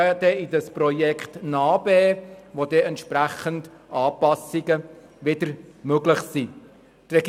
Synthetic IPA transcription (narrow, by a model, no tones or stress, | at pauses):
d̥ɛidɑsprɔjɛkʰtnɑːbɛːʋod̥̪ɛɛntʃpɾæχəntʔɑːpɑsiɡə | ʋɪdəɾmøɡlɪχsiː | trɛɡ